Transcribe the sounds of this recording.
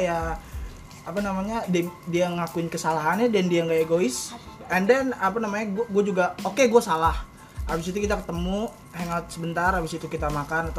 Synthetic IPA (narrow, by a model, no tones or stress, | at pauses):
ja | apanamaɲadɛdiaŋakuɪnkəsalaɦanadɛndiaŋɡaeɡoɪs | ɛndɛnapanamaɲaɡuɡuad͡ʒuɡaokeɡuasalah | abisit̪ukit̪akə̥t̪əmu | hɛŋat̪̚səbənt̪arabisit̪ukit̪amakanat̪a